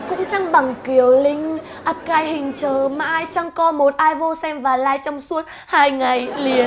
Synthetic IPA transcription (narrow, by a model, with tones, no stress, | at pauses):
kʊ̰˧˥ŋ͡mt͡ɕa˧ŋɓa˨˩ŋki˨˩əwlï˧ŋ̟ | ʔa˦˥p̚kaː˧jhï˨˩ŋ̟t͡ɕəː˨˩maː˧jt͡ɕa˧ŋkɔ˧mo˨˩t̚ʔaː˧jvo˧sɛ˧mvaː˨˩laː˧jt͡ɕɔ˧wŋ͡msu˦˥ət̚ | haː˧jŋa˨˩jli˨˩ə